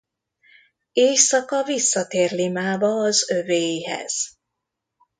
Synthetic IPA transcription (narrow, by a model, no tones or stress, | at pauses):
eːjsɒkɒvisːɒt̪eːrlimaːbɒːzøveːjɦɛ̰z̥